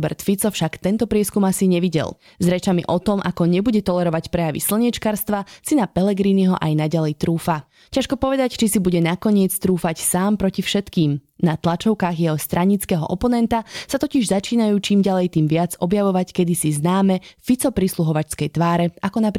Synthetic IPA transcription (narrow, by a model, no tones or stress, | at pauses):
bɛ̰ɾt̪fit͡sɔfʃakt̪ɛnt̪ɔpɾɪɛskumasiɲɛʋiɟɛ̰lˠ | zɾɛt͡ʃamḭʔɔt̪ɔmʔa̰kɔɲɛbuɟɛt̪ɔlɛɾɔʋacpɾɛjaʋḭsl̩ɲɛt͡ʃkaːɾst̪ʋasinapɛlɛɡɾiːniɦɔʔajnaɟalɛjt̪ɾuːfa | caʃkɔpɔʋɛd̪act͡ʃisibuɟɛnakɔɲɪɛt͡st̪ɾuːfacsaːmpɾɔcifʃɛt̪kiːm | nat̪lat͡ʃɔʊkaːɣjɛɦɔst̪ɾʔaɲit͡skɛɦɔ̰ʔɔpɔnɛnt̪asat̪ɔciʒzat͡ʃiːnajuːt͡ʃiːmɟalɛjt̪iːmʋɪad͡zɔbjaʋɔʋackɛd̪isiznaːmɛfit͡sɔpɾisluɦɔʋat͡ʃskɛjt̪ʋaːɾɛakɔnap